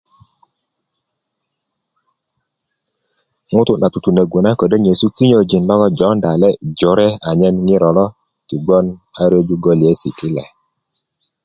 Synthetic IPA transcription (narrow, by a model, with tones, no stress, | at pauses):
ŋʊ˦tʊ˦na˨tu˨tu˨nə˨ɡo˨na˦kɔ˨də˦ɲe˨su˦ki˦ɲo˨d͡ʒi˨nlɔ˦kɔ˦d͡ʒɔ˨˦nda˨lɛ˦d͡ʒɔ˨˦ɾɛ˦a˨ɲɛ˦nŋi˦ɾɔ˨lɔ˦ | ti˨ɡ͡bɔ˦na˦ɾe˦d͡ʒu˦ɡɔ˦li˨e˦si˨ti˦lɛ̰˨